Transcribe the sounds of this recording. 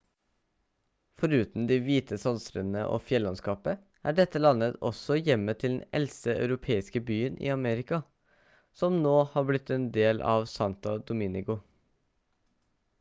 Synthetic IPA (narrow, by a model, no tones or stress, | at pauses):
fɔɾʉːt̪n̩d̪ɪʋiːt̪ʰəsɔnsɾənə̰ʔo̰ːfjɛlːɑnskɑːpə | ʔæːɖɛt̪ːəlɑnət̪ɔ̰sɔjɛmːət̪ʰɪld̪ɛ̰nɛ̰lsəɑ̰ʉɾʊpʰeːɪskəbyːənʔḭːɑmeːɾɪkɑ | sɔmnoːhɑːɾblɪt̪ːɛnd̪eːlʔɑ̰ʋsɑnt̪ɑd̪ʊmɪnɪɡʊ